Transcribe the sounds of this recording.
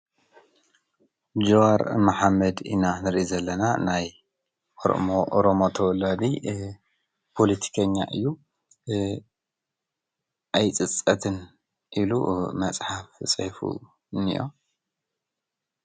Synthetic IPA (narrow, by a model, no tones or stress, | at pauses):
d͡ʒoaɾmaħamːɐd̪ḭnanɨɾʔizɐlːɐnanaj | oɾoʔoɾomot̪ʰɐwɔlːad̪i | pʰo̞lit̪ʰi̥kʰɐɲːa̰ʔɨ̰jːu | ʔajt͡sʼɨt͡sʼːɐt̪ʰɨn | ʔilṵmɐt͡sʼħaft͡sʼɐfṵ | nḭjo̰